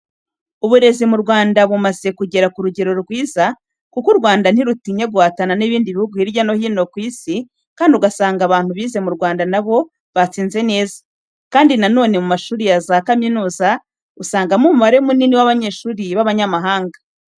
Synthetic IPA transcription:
uβuɾe̞zimuɾɡwaːndaβumaze̞kuɟe̞ɾakuɾuɟe̞ɾo̞ɾɡwiːza | kukuɾɡwaːndan̥iɾutiɲe̞ɡwaːtananiβiːndiβihuɡuiɾjano̞hiːno̞kwiːsi | kaːndiuɡasaːŋɡaβaːn̥huβiːze̞muɾɡwaːndanaβo̞ | βat͡siːnze̞ne̞ːzḁ | kaːndinano̞ːne̞mumaʃuːɾijazakaminuːza | usaːŋɡamumuβaɾe̞muniniwaβaɲe̞ːʃuːɾiβaβaɲamaɦaːŋɡa

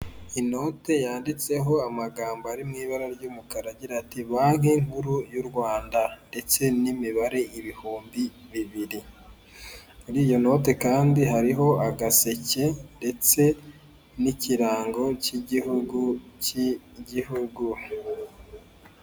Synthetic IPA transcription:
ino̞ːte̞jaːndit͡se̞ɦo̞amaɡaːmboaɾimŋiːβaɾaɾɟuːmukaɾaɟiɾatiβaŋiŋhuɾujuɾɡwaːndande̞t͡se̞nimiβaɾe̞ʔiβihuːmbiβiβiɾi | muɾiːjo̞no̞ːte̞kaːndiɦaɾiɦo̞aɡase̞ce̞nde̞t͡se̞ | niciɾaːŋɡo̞ciɡuci | ɟihuɡu

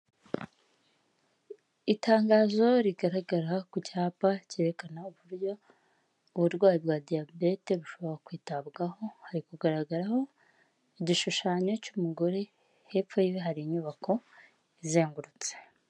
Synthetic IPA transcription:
itaːŋɡaːzo̞ɾiɡaɾaɡaɾakucaːpace̞ːɾe̞kanauβuɾjo̞ː | βuɾɡwaːjibɡwaːdijabe̞te̞ɾuʃo̞βo̞ɾakwiːtabɡaho̞haɾikuɡaɾaɡaɾaho̞ | iɟiʃuʃaːɲo̞cumuɡoɾe | he̞pfojiweɦaɾiɲuβako̞ | ize̞ːŋɡuɾut͡se

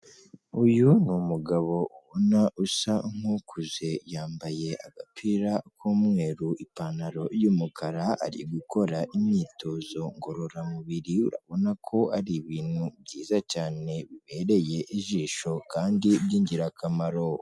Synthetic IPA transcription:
ujunumuɡaβo̞uβonaʔusaŋ̥hukʰuze̞jaːmbaje̞aɡapʰiɾakʰoːmŋe̞ːɾuipaːnaɾo̞juːmukʰaɾaa̰ɾḭɡuko̞ɾaʔimɲiːtʰo̞ːzo̞ŋɡo̞ɾo̞ɾamuβiɾiuɾa̰βo̞nakʰo̞aɾiβiːnhuβɟiːzacaːne̞βiβe̞ːɾe̞je̞ʔiʒiːʃo̞kaːndiβjiːɲɟiɾakamaɾo̞

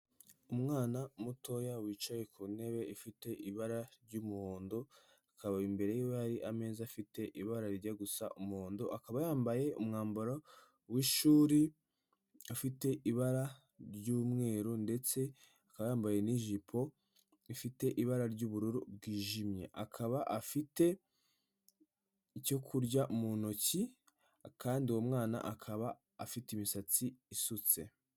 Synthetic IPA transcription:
umŋaːnamutʰo̞jawiːt͡ʃaje̞kʰune̞βe̞ifite̞ʔiβaɾaɾɟumuhoːndo | akaβaimbe̞ɾe̞jijjaɾiʔame̞ːzafite̞ʔiβaɾaɾiɟaɡusa̰ʔumuhoːndoʔakaβajaːmbaje̞umŋaːmbaɾo | wiʃuːɾi | afite̞ʔiβaɾa | ɾɟuːmŋe̞ːɾonde̞t͡se̞ | akaβajaːmbaje̞niʒipʰo̞ | ifite̞ʔiβaɾaɾɟuːβuɾuɾubɡiːʒimɲḛʔakʰaβaʔafite̞ | co̞kʰuɾɟaʔumunoci | kaːndiwo̞mŋaːna̰ʔakʰaβaː | fitimisat͡siːsut͡se̞̰

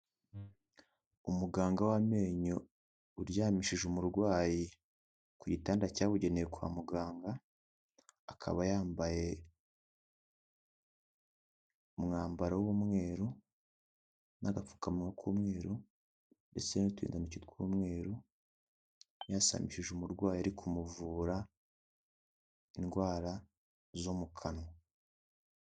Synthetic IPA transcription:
umuɡaːŋɡawame̞ːɲo | uɾjaːmiʃiʒumuɾɡwaːji | kuɟitaːndacaːβuɟe̞nejekwa̰ːmuɡaːŋɡa | kʰa̰βajaːmbaje̞ | umŋaːmbaɾawumŋe̞ːɾu | naɡap͡fu̥kamŋakʰuːmŋeːɾu | nde̞t͡senitwḭːndanucitkuːmŋe̞ːɾu | jasa̰miʃiʒumuɾɡwaːjaɾikʰumuvuːɾa | inɡwaːɾa | zomukʰano

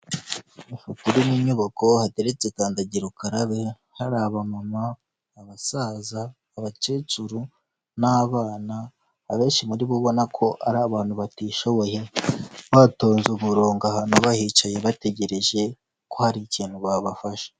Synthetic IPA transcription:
ifukuɾimiɲoβako̞hate̞ɾet͡sekaːndaɟiɾukaɾaβe | haɾaːβamamaː | βasaːzaː | βat͡ʃet͡ʃuɾu | naβaːnaː | βe̞ːnʃimuɾiβuβo̞nakʰo̞ʔaɾaːβaːnhuβatiʃo̞βo̞je̞βato̞ːnzuβuɾoːŋɡahanuβahit͡ʃajeβate̞ɟe̞ɾe̞ʒe̞ | kohaɾiciːn̥huβaβafaʃḁ

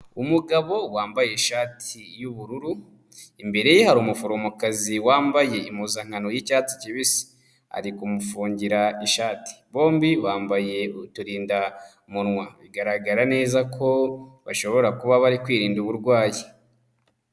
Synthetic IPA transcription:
umuɡaβo̞waːmbaje̞iʃaːtʰijuβuɾuɾu | imbe̞ɾe̞jehaɾuːmufuɾomukaziwaːmbaje̞imuzaŋ̥anojicaːti̥ciβisi̥ | a̰ɾikumufuːɲɟiɾaiʃaːti̥βo̞ːmbiβaːmbaje̞utuɾiːnda | munŋwaβiɡaɾaɡaɾane̞ːzakʰo̞βaʃo̞βo̞ɾakuβaβaɾikwiːɾiːnduβuɾɡwaːji

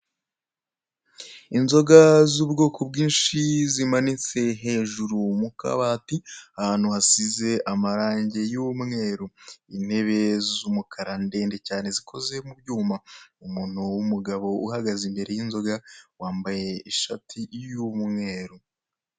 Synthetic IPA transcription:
inzo̞ɡazuːbɡo̞ːkobɡiːnʃizimanit͡se̞ɦe̞ʒuɾumuka̰βaːtiahaːn̥huhasize̞ʔamaɾaːɲɟe̞jumŋe̞ːɾoin̥he̞βe̞zumukʰaɾande̞ːnde̞caːne̞zikʰo̞ze̞mubɟuːmaumuːn̥uwumuɡaβo̞ʔuhaɡazimbe̞ɾe̞jinzo̞ɡawaːmbaje̞iʃatʰijumŋe̞ːɾo

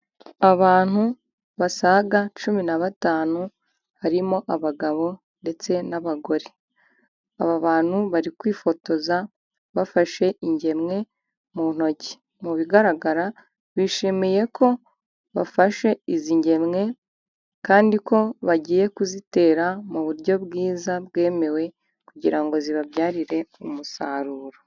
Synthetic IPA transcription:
aβaːn̥hu | βasaɡat͡ʃuminaβataːnu | haɾimo̞ʔaβaɡaβo̞ | nde̞t͡se̞naβaɡo̞ɾe | a̰βaβaːn̥huβaɾikwiːfo̞to̞za | βafaʃe̞iɲɟe̞mŋe̞ | mun̥o̞ci̥ | muβiɡaɾaɡaɾa | βiʃimije̞kʰo̞ | βa̰faʃe̞iziɲɟe̞mŋe̞ | kaːndiko̞βaɟiːje̞kuzite̞ːɾamuβuɾɟo̞βɡiːzabɡe̞ːme̞we̞ | kuɟiɾaŋɡo̞ziβaβjaːɾiɾe̞umusaːɾuːɾo

